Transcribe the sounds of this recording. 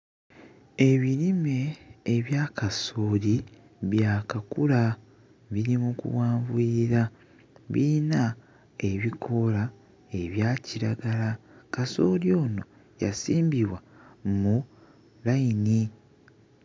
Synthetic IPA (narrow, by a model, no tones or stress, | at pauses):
e̞βiɾime̞ːβjaːkasoːli | βjaːkakula | βiɾimukṵwaːɱvwiiɾa | βina | e̞βikʰo̞la | e̞βjaːciɾaɡalakaso̞ːljo̞ːno̞ | ja̰siːmbiβwamu | lajini